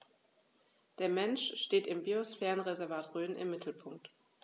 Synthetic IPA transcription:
d̥eːɐmɛnʃʃteːtɪmbiosfɛːʁənʁezɛɐvaːtʁøːnɪ̰mːɪtʰl̩pʰʊŋk̚t

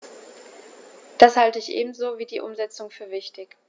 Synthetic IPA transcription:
d̥ashaltəɪçʔḛːbm̩zoːviːdiːʔʊmzɛt͡sʊŋfyːɐvɪçtɪç

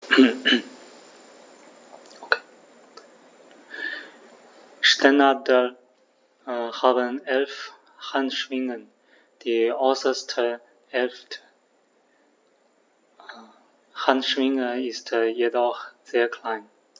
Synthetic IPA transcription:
okʰe̥ | ʃtɛnadəl | haːbənʔɛlf | hantʃv̥ɪŋən | d̥iːɔʏsɐstʰə | hɛlftʰə̥ | hantʃv̥ɪŋəɪstjedɔχz̥eːɐkʰl̥aɪn

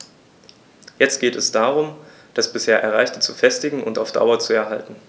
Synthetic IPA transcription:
jɛt͡st̚ɡ̥eːtɛsd̥aːʁ̞ʊm | d̥asb̥ɪsheːɐʔɛɐʁaɪçtət͡sufɛstɪɡŋ̩ʔʊntaʊfd̥a̰ʊɐt͡suɛɐɦaltn̩

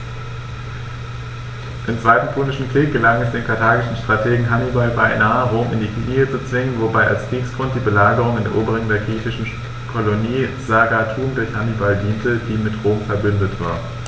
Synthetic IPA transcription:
ʔɪmt͡sv̥aɪtn̩pʰʊlnɪʃn̩kʁ̥iːk̚ɡ̥əlaŋɛsd̥eːnkʰaɐtʰaːɡɪʃn̩ʃtʁ̥atʰeːɡŋ̩ɦanibalbaɪnaːəʁoːmɪndiːkiniət͡sut͡sv̥ɪŋənvobaɪʔa̰lskʁ̥iːksɡ̥ʁʊntd̥iːbəlaːɡəʁ̞ʊŋɪndeːɐʔuːbəʁɪŋədeːɐɡʁiːçɪʃn̩ | kʰoloniːz̥aɡatʰuːmdʊɐçhanibaldiːntəd̥iːmɪtʁoːmfɛɐbʏndətv̥a̰ːɐ

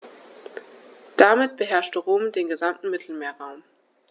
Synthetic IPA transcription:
d̥amɪtb̥əɦɛɐʃtəʁoːmdeːnɡəzamtn̩mɪtʰl̩meːɐʁaʊm

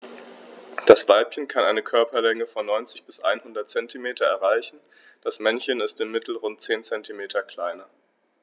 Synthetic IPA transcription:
d̥asv̥aɪpçənkʰanʔaɪnəkʰœɐpɐlɛŋəfɔnːɔʏnt͡sɪçb̥ɪsʔa̰ɪnhʊndɐt̚t͡sɛntʰimeːtʰɐɛɐʁaɪçn̩ | d̥asmɛnçənɪstɪmːɪtl̩ʁʊnt̚t͡seːnt͡sɛntʰimeːtʰɐkl̥aɪnɐ

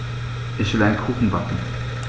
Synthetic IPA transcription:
ʔɪçv̥ɪlaɪnkʰuːχn̩bakŋ̩

